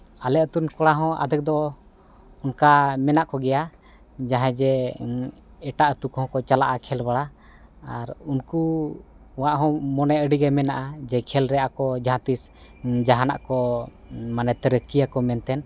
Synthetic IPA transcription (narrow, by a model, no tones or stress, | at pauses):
alɛʔət̪unkɔɽaɦɔ̃a̰d̪ʱək̚d̪ɔ | unkamɛnaʔkɔɡɛja | d͡ʒaɦɛ̃d͡ʒɛ | ɛʈaʔət̪ukhɔ̃kɔt͡ʃalaʔakʰɛlbaɽa | aɾunku | waʔɦɔ̃mɔnɛʔəɖiɡɛmɛnaʔad͡ʒɛkʰɛlɾɛakɔd͡ʒaɦãt̪isd͡ʒaɦana̰ʔkɔ | manɛt̪əɾəkijakɔmɛnt̪ɛn